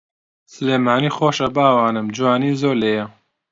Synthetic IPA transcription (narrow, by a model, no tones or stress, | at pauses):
sɨleːmaːniːxoːʃɐbaːwaːnɨmd͡ʒuwaːniːzoːleːjɐ